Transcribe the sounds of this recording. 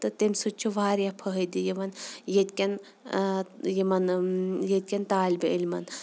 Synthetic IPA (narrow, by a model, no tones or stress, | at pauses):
t̪ɨt̪emsut͡ʃʰuʋaːɾijapʰəɦəd̪ijimɐnjet̪̚kʲɐn | jimɐnjet̪̚ʲkʲɐnt̪aːlʲbeilʲmɐn